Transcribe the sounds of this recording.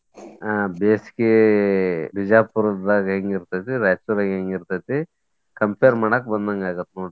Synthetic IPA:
abeːsi̥ke | bid͡ʒaːpuɾd̪aɡɦeŋɡiɾt̪ɐjt̪iɾɐjsuɾaɡɦeːŋɡiɾt̪ajt̪i | kɐmpʰeːɾmɐɳɐkbɐnd̪ɐŋɡaːɡɐt̪noːʈ

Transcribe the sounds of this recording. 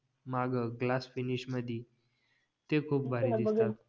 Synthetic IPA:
maɡəɡlasfiniɕməd̪ʱi | t̪ekʰuːp̚bʱaɾɾid̪ist̪at̪

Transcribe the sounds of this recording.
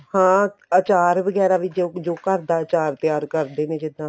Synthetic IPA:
hãːət͡ʃaːɾʋəɡɛːɾaːʋɪd͡ʒd͡ʒoːkəɾd̪aːt͡ʃaːɾt̪jaːɾkəɾd̪eːneːd͡ʒɪd̪ãː

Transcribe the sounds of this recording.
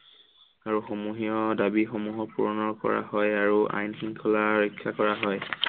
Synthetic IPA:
aɹuxɔmuɦijɔdabixɔmuɦɔpuɹɔnɔɹkɔ̰ɹa̰hɔjaɹua̰jnxiŋkʰɔlaɹɔkʰːakɔɹaɦɔj

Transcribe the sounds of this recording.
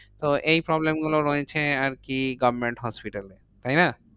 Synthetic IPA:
t̪oʔejpɾɔblemɡuloɾɔet͡ɕʰeaɾkiɡɔbmeɳʈɦɔspiʈale | t̪aɦjna

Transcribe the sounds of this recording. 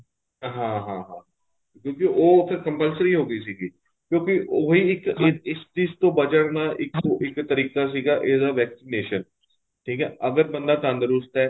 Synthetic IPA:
ɦãːɦãːɦãː | kjõːkɪʔoːpʰɪɾkəmpəlsəɾiːɦoːɡəiːs̬iːɡiː | kjõːkɪʔoːɦiːɪkɪɪst͡ʃiːst̪õːbəd͡ʒəɽnaːʔɪkɪkt̪əɾiːkaːs̬iːɡaːʔɪːd̪aːʋɛːksineːʃən | ʈʰiːkɛːʔəɡəɾbənd̪aːt̪ãnd̪əɾʊst̪ɛː

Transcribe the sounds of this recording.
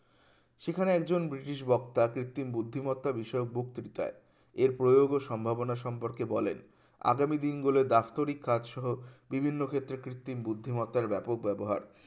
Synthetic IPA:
ʃekʰaneɛk̚d͡ʑonbɾiʈiʃ̬bɔk̚t̪akɾit̪ːimbud̪ʱːimɔt̪ːabiʃɔeok̚buk̚t̪ɾit̪a̰e | eɾpɾojoɡoʃɔmbʱabonaʃɔmpoɾkebɔlḛn | a̰ɡamid̪inɡoled̪aft̪oɾikʰːad̪ʃɔɦobibʱinːokʰet̪ːɾekɾit̪ːimbud̪ʱːimɔt̪ːaɾbɛpok̚bɛboɦa̰ɾ

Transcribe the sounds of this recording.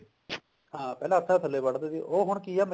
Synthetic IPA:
ɦãːpɛːlãːət̪ʰːãːt̪ʰəlːeːbəɽd̪eːd̪iʔoːɦʊɳkiːaːmə

